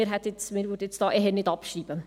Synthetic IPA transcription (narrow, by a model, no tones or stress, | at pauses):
ɪːɾɦɛt̪ɪt͡smɪːɾʋyɾdəet͡sd̥ɑːʔɛɦɛnɪdɑpʃriːb̥ə